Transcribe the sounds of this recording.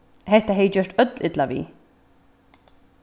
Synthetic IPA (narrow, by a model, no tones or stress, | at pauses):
hɛht̪ːaɦɛjt͡ɕœʂt̪œt̪lɪt̪laʋḭː